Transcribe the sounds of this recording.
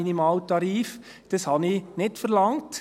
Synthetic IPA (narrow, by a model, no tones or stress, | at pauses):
inimɑːltɑɾiːf | d̥əshɑninɪtfəɾlɑŋt